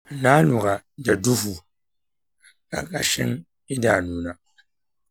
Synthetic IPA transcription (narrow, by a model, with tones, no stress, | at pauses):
na˦nu˨ɡa˨da˨du˦fu˨ | ka̰˨ka̰˨ʃɪ̰˦ŋ | ɪ˦da˨nuː˨na˨